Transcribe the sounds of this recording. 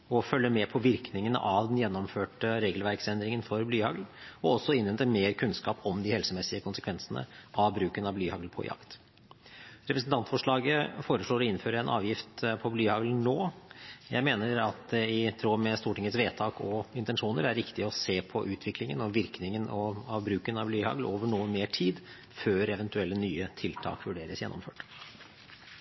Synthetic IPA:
ɔfœlːəmɛpʰɔʋɪɾknɪŋənə̰ʔɑʋd̪ɛnjɛnːɔmføːʈəɾeːɡəlʋæɾksɛnd̪ɾɪŋənfɔɾblyːhɑɡlɔɔsːɔɪnʋɛnt̪əmeːɾkʰʉnskɑːpɔmd̪ɪhɛlsəmɛsːɪəkʰʊnsəkʋɛnsənə̰ʔɑʋbɾʉːkənɑʋblyːhɑɡlpʰɔ̰jɑ̰kt̪ | ɾɛpɾəsnt̪ɑnt̪fɔʂɭɑːɡəfoːɾəʂɭoːɾɔɪnːføːɾəɛnʔɑ̰ːʋjɪft̪pʰɔblyːhɑɡlnoːjæ̰ɪmeːnəɾɑt̪̚d̪ɛɪt̪ʰɾoːmɛst̪uːʈɪŋət̪sʋeːt̪ʰɑːkɔɪnt̪ɛnʂuːnəɾæɾːɪkt̪ɪəɔseːpʰɔʔʉːt̪ʰʋɪklɪŋənɔʋɪɾknɪŋənɔɑʋbɾʉːkənɑʋblyːhɑ̰ɡloːʋəɳuːənmeːʈʰiːd̪ | føːɾɛʋɛnt̪ʉɛlːənyːət̪ʰɪlt̪ʰɑ̰ːkʋʉɖeːɾəsjɛnːɔ̰mføːʈ

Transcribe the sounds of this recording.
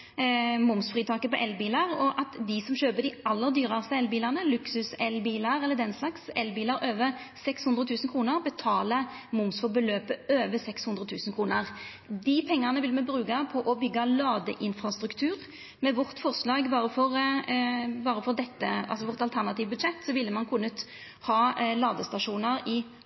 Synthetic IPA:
mʊmsfʁiːt̪ʰɑːkəpɔʔɛlːbiːlɑʁɔʔɑt̪d̪ɪsɔmɕøːpəd̪ɪɑlːəʁd̪yːʁəʁst̪əɛlbiːləʁnəlʉksʉsɛlːbiːlɑɾɛlːəd̪ɛnslɑksɛlːbiːlɑɾøːʋəʁsɛkshʉnd̪ɾət̪ʰʉːsən̩kʰɾuːnəʁbət̪ʰɑːləmʊmsfɔbəløːpəøːʋəsɛkshʉnd̪ɾʁət̪ʰʉːsnkʰɾuːnəʁ | d̪ɪpʰɛŋːɑʁnəʋɪlmɛbɾʉːɡɑpʰɔʔɔbʏɡːɑlɑːd̪əʔɪnfɾɑst̪ɾʉkt̪ʰʉːʁ | mɛʋɔʁt̪fɔʁʂlɑːɡbɑːʁəfɔʁ | bɑːʁəfɔd̪ɛt̪ːəʔɑ̰lsɔʋɔʁt̪ɑlt̪ʰæʁnɑt̪iːʋbʉd̪ʂɛt̪ːsɔʋɪlːəmɑnkʰʉnːət̪ | hɑːlɑːd̪əst̪ɑʂuːnəɾɪ

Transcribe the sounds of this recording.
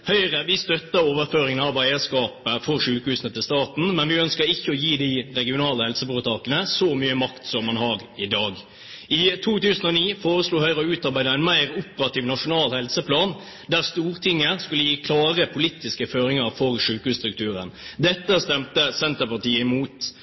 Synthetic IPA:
hœʏʁəʋɪst̪œt̪ːəoːʋəɾføːɾɪŋənɑʋæɪəskɑːpəfɔɾʂʉːkhʉːsnət̪ɪlst̪ɑːt̪n̩mɛnʋɪœnskəɾɪçːəɔjiːd̪ɪɾɛɡɪʊnɑːləhɛlsəbʊət̪ʰɑːkənəsɔmyːəmɑkt̪sɔmːɑnhɑʁɪd̪ɑːɡ | ɪt̪ʰuːt̪ʉːsənɔniːfoːɾəsluːhœʏʁɔʉːt̪ɑɾbæɪd̪əæɪnmæɪɾʊpəɾɑt̪iːʋnɑʂʊnɑːlhɛlsəpʰlɑːn | d̪æʁst̪uːʁt̪ʰɪŋːəskʉləjiːkʰlɑːʁəpʰʊliːt̪ɪskəføːɾɪŋəɾfɔɾʂʉːkhʉːst̪ɾʉkt̪ʰʉːɾə̰nd̪ɛt̪ːəst̪ɛmt̪əsɛnt̪əpɑt̪iːəɪmuːt̪

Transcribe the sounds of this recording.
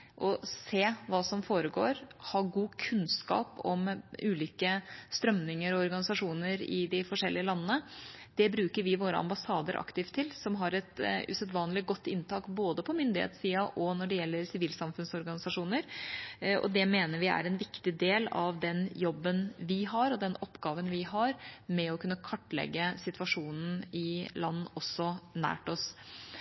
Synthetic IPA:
ʔɔseːʋɑːsɔmfoːɾəɡo̰ːɾhɑːɡuːkʰʉnskɑ̰ːpɔ̰mʉːliːkəst̪ɾœmnɪŋəɾɔɔɾɡɑnɪsɑʂuːnəɾɪ̰d̪ɪfɔʂɛlːɪəlɑnːənəd̪̥ɛbɾʉːkəɾʋɪʋoːɾə̰ɑ̰mbɑsɑːd̪əɾʔɑ̰kt̪ɪːft̪ʰːɪlsɔmɦɑɾɛt̪ʉ̰sɛt̪ʋɑːnəlɪɡɔt̪ʰːɪnːt̪ʰɑːkboːd̪əpʰɔmʏnd̪ɪhḛːt̪siːɑʔɔnɔɖɛjɛlːəɾsɪʋiːlsɑmfʉnsɔɾɡɑnɪsɑʂuːnəɾ | ʔɔ̰d̪ɛmeːnəɾʋɪæ̰ɾɛnʋɪkt̪ɪd̪eːlɑʋd̪ɛnjɔbːənʋɪɦɑɾɔd̪ɛnɔpːɡɑːʋənʋɪɦɑɾmɛɔkʰʉnːəkʰɑʈːlɛ̰ɡːəsɪt̪ʋɑʂuːnn̩ɪlɑnːɔsːɔnæ̰ːʈɔs

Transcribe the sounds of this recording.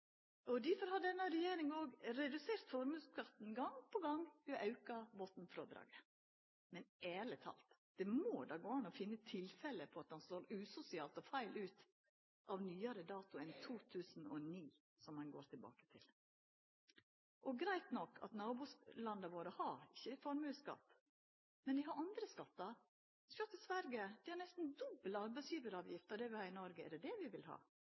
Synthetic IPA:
ɔd̪ɪfɔɾhɑdɛnːəɾɛjeːɾɪŋoːɡɾɛd̪ʉseːɾt̪fɔɾmʉskʰɾɑt̪n̩ɡɑŋpʰɔɡɑŋʋɪɔʔɑʉkɑbɔt̪n̩fɾo̰ːd̪ɾɑ̰ːɡə | mɛneːlət̪ʰɑ̰ːlt̪ | d̪̥ɛmoːd̪ɑːɡoːɑnːɔfɪnːət̪ʰɪlfɛləpʰɔɑt̪̚d̪ɑnst̪oːɾʉːsʊsɪɑːlt̪ɔfæɪlʔʉːt̪ | ʔɑʋnyːɑɾəd̪ɑːt̪ʊɛnt̪ʰuːt̪ʰʉːsn̩ɔniː | sɔmːɑnɡoːɾt̪ʰɪlbɑ̰ːkə̥t̪ʰɪ̰l | ʔɔɡɾæɪt̪nɔkːʰɑ̰t̪nɑːbuːslɑnd̪əɑʋoːɾəhɑɾɪçːəfɔɾmʉːskɑ̰t̪ː | mɛnd̪ɪɦɑɾɑnd̪ɾəskɑt̪ːɑɾ | sɔt̪ːɪsʋæɾɡəd̪ɪhɑɾnɛst̪n̩d̪ʊbələɑɾbæɪsjiːbəɾɑːʋjɪft̪əd̪ɛʋɪlhɑːɪnɔɾɡəɛ̰ɖɛd̪ɛʋɪʋɪlhɑ̰ː

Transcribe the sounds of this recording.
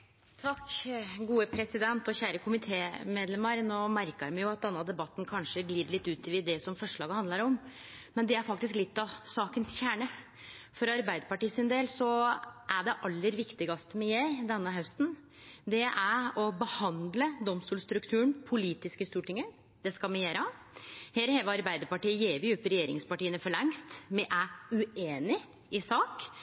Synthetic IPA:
t̪ʰɑkːɡuːəpʰɾɛsɪd̪ɛnt̪ɔçæːɾəkʰʊmɪt̪ʰeːmeːd̪lɛməɾnoːmæɾkəɾmɛjʊɑt̪̚d̪ɛnːəd̪ɛbɑt̪ːnkʰɑnʂəɡliːɾlɪt̪ːʉːt̪ɪʋɪd̪ɛsɔmfɔʂɭɑːɡəhɑnd̪ləɾɔm | mɛnd̪ɛæɾfɑk̚t̪ɪsklɪt̪ːɑsɑːkənsçæːɳə | fɔɾɑɾbæɪd̪əpɑʈiːsɪnd̪eːlsɔʔæɖɛʔɑlːəɾʋɪkt̪ɪɡɑst̪mɛjeːɾd̪ɛnːəɦœst̪n̩ | d̪ɛʔæɔbəhɑnd̪ləd̪ɔmst̪uːlst̪ɾʉkt̪ʰʉːəɳpʰʊliːt̪ɪskəst̪uːʈɪŋːə | d̪̥ɛskɑlmɪjeːɾɑ | heːɾheːʋəɑɾbæɪd̪əɾpɑʈiːəjeːʋɪʉpːɾɛjeːɾɪ̰ŋspɑʈiːənəfɔɭɛŋst̪mɛʔæʉeːnɪ | ʔɪsɑːk

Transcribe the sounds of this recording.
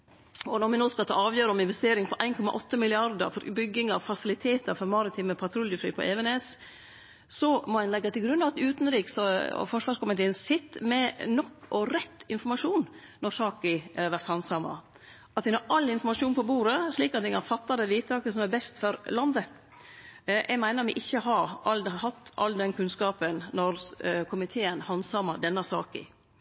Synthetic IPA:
ɔnɔɾmɪnoːskɑlt̪ʰɑ̰ːɑːʋjøːɾəɔmɪnʋɛst̪eːɾɪŋpʰɔʔæɪnkʰɔmɑ̰ʔɔt̪ːəmɪlɪɑɾd̪ə̰ɾfɔɾbʏɡːɪŋɑʋfɑsɪlɪt̪ʰeːt̪əɾfɔɾmɑɾɪt̪ʰɪːməpʰɑt̪ʰɾʊljəfɾy̰ːpʰɔʔeːʋɛneːs | sɔmɔɛnlɛɡːɑt̪ʰɪlɡɾʉnɑʋɑt̪ʉːt̪n̩ɾiːksɔ̰fɔʂʋɑːʂkʊmɪt̪ʰeːənsɪt̪ːmɛnɔkʰːɔɾɛt̪ːɪnfɔɾmɑʂuːn | nɔɾsɑːkɪæɾʋæɾt̪hɑnsɑmɑ̰ | ʔɑt̪ʋɪnɑɾʔɑlːɪnfɔɾmɑʂuːnpʰɔbuːɾəʂɭiːkɑt̪̚ɛkɑnfɑt̪ːɑd̪ɛʋiːt̪ʰɑːkəsɔmæbɛst̪fɔɾlɑnd̪ə | jʔæ̰mæɪnəɾmɪ̰ʔɪçːəɦɑɾɑlhɑt̪ːʔɑ̰lːd̪ɛnkʰʉnskɑːpənnɔɾkʰʊmɪt̪ʰeːənhɑnsɑməd̪ɛnːɑsɑːkɪ̰

